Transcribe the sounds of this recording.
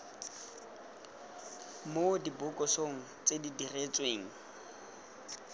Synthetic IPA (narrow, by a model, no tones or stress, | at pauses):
modibʊkʼɔsoŋ̩t͡sʼedidiret͡sʼweːŋ̩